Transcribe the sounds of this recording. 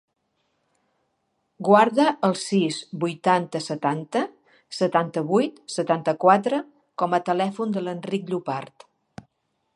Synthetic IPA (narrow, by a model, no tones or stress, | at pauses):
ɡwaɾðəəlˠsizbujt̪ant̪əsət̪ant̪ə | sət̪ant̪əβujt̪sət̪ant̪əkwat̪ɾə | kɔmət̪əlɛfund̪ələnrik̚ʎupaɾt̪